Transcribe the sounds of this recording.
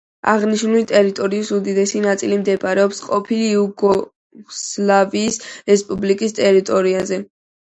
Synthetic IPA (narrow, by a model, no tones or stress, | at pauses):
aʁniʃnulit̪ʼɛɾit̪ʼɔɾiusud̪id̪ɛsinat̪sʼilimd̪ɛpʼaɾɛɔpsqʼɔpʰiliuɡɔ | slaviːsɾɛspʼublikʼist̪ʼɛɾit̪ʼɔɾiazɛ